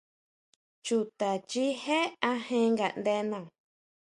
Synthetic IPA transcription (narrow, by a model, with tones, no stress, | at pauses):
t͡ʃu˧t̪a˨t͡ʃi˦he˦a˦hẽ˦ŋɡa̰˨nd̪e˧nã˨